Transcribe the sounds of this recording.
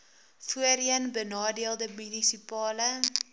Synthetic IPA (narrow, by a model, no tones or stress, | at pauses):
fuəɾiənbənɑːdiəlˠdəmynisipɑːlə